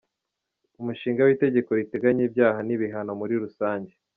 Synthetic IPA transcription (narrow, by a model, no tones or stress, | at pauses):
umuʃiːŋɡawiːte̞ɟe̞ko̞ɾite̞ɡaɲiːbjaːhaniβiɦano̞muɾiɾusaːɲɟe̞